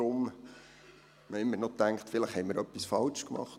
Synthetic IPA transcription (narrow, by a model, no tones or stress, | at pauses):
ɾʊm | məɪmːəɾnɔt̪æŋkχtfɪləχhɛjməɾœpːisfɑlt͡ʃkmɑ̰χt